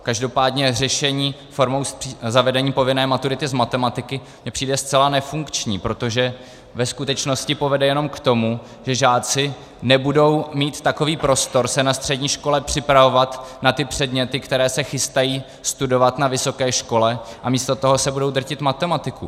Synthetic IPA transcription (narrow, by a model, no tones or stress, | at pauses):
kaʒdo̞paːdɲɛrɛʃɛɲiːfo̞ɾmowsizavɛdɛɲiːpo̞vɪnɛːmat̪uɾɪt̪ɪzmat̪ɛmat̪ɪkɪ | mɲɛpr̝̥iːdɛst̪t͡sɛlanɛfuŋkt͡ʃɲiːpɾo̞t̪o̞ʒɛ | vɛskut̪ɛt͡ʃno̞scɪpo̞vɛdɛjɛno̞mkt̪o̞mu | ʒ̥ɛʒaːt͡sɪ | nɛbudo̞wmiːt̪ːako̞viːpɾo̞st̪o̞ɾsɛnast̪r̝̥ɛdɲiːʃko̞lɛpr̝̥ɪpɾavo̞vat̪nat̪ɪpr̝̥ɛdɲɛt̪ɪkt̪ɛɾɛːsɛxɪst̪ajiː | st̪udo̞vat̪navɪso̞kɛːʃko̞lɛʔamiːst̪o̞t̪o̞ɦo̞sɛbudo̞wd̪r̩cɪt̪mat̪ɛmat̪ɪku